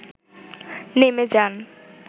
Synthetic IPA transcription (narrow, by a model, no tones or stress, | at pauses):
nemed͡ʑan